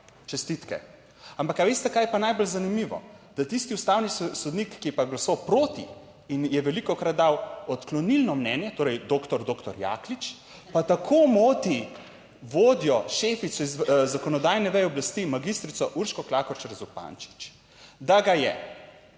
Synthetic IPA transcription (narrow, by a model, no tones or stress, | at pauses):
t͡ʃɛst̪it̪kɛ̰ | ampakaʋeːst̪ɛkajɛpanajbɔlzanimiʋɔ̰ | d̪at̪ist̪iust̪aːwnisɔd̪nikːiɛpaɡlasowpɾoːt̪ḭ | injɛʋɛlikɔkɾat̪̚d̪awɔt̪klɔnilnɔmnɛnjɛt̪oːɾɛjd̪oːkt̪ɔɾd̪oːkt̪ɔɾja̰ːklit͡ʃ | pat̪akʰomoːt̪i | ʋoːd̪jɔʃeːfit̪sɔizzakɔnɔd̪aːjnɛʋɛjɛɔblast̪imaɡist̪ɾit̪sɔʔuɾʃkɔklaːkɔɾt͡ʃɛɾɛzɔlpa̰nt͡ʃi̥t͡ʃ | d̪aɡajɛ̰